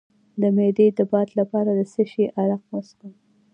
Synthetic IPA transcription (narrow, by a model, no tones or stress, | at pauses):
d̪əmed̪ed̪əbɑt̪lapɑɾad̪əsəʃeʔaɾaq̚masku